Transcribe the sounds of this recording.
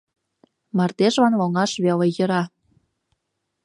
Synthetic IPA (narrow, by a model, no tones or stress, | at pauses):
mɑrt̪eʒβɑnloŋɑʃβelejə̆ɾɑ